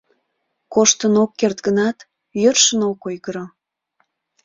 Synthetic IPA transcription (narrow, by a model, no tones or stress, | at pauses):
koʃt̪ənokːert̪ɡənɑt̪ | jørʃənokojɣəɾo